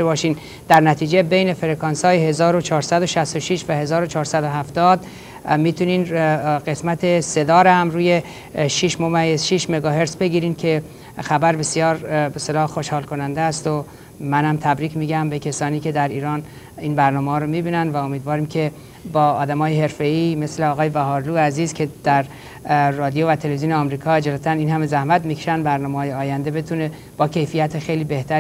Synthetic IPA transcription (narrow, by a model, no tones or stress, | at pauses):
ebɒːʃiːn | d̪̥æɾnæt̪ʰiːd͡ʒe̞bejne̞feɾekʰɒnsɒːjehe̞zɒːɾot͡ʃʰɒːɾsæd̪oʃæst̪oʃiʃvæhe̞zɒːɾo̞t͡ʃʰɒːɾsæd̪oɦæft̪ɒːd̪ | miːt̪ʰuniːnɢesmæt̪ʰe̞se̞d̪ɒːɾehæmɾuːje̞ | ʃiʃmomæjːezʃiʃme̞ɡɒːɦe̞ɾtsbe̞ɡiːɾiːnkʰe̞ | xæbæɾbe̞sijɒːɾbest̪elɒːxoʃhɒːlkʰonænd̪eːst̪o | mænhæmt̪ʰæbɾiːcʰmiːɟæmbe̞kʰʲesɒːniːke̞d̪æɾiːɾɒːn | iːnbæɾnɒːmehɒːɾomibiːnænvæo̞miːd̪vɒːɾiːmcʲʰe̞ | bɒːd̪æmɒːjeɦe̞ɾfe̞iːme̞sleɒːɣɒːjebæɦɒːɾluːæziːzkʰe̞d̪̥æɾː | ɒːd̪ijovæt̪ʰe̞levizijoneɒmɾiːkʰɒːed͡ʒælæt̪ʰæniːnhæme̞zæhmæt̪mikʰeʃænd̪bæɾnɒːmehɒːjeɒːjænd̪ebe̞t̪ʰune̞ | b̥ɒːcʰe̞jfijæt̪ʰexe̞jliːbe̞ht̪ʰæɾ